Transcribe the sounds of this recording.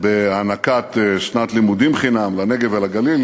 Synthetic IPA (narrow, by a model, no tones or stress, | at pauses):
beanakat̪eʃnat̪limud̪imχinamlaneɡevelaɡalil